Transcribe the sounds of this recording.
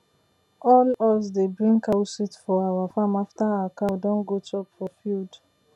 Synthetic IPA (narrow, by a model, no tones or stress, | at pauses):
ʔɔlɔsdebɹĩŋkawsitfɔawafamaftaakãdɔ̃nɡotʰɔpfɔfuld